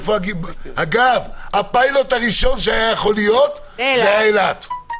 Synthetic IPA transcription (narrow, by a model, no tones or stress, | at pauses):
foaɡihaɡavapajlot̪aʁiʃo̞nʃeajajeχo̞lijo̞t̪ | zeajaelat̪